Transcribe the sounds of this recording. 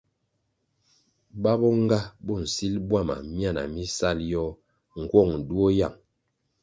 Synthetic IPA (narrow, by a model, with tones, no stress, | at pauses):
ba˦bɔ˦ŋ˦ɡa˦bɔ˦˨n̩˨si˦lbwa˦˨ma̰˨mja˦˨na̰˨mi˦sa˦˨ljɔ˦ | ŋ̩˨kwɔ˦˨ŋ˨du˦o˦ja˦˨ŋ